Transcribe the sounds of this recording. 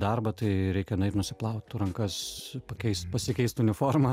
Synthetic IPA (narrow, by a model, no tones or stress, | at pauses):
d̪ɐrbɐt̪ɐɪɾʲɛɪkʲɛnɐɪrnʊsʲɪplˠɐʊt̪ʲt̪uɾɐŋkɐspɐkʲɛɪst̪pɐsʲɪkʲɛɪst̪ʊnʲɪfoːrmɐ